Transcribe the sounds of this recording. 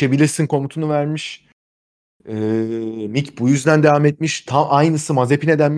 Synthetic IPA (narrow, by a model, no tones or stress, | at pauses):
ebilʲiɾsinkʰo̞mut̪ʰunuvæɾmiʃ | ɛmicbujyzd̪ænd̪evamet̪̚miʃt̪ʰamʔajnɯsɯmaze̞pʰine̞d̪ænm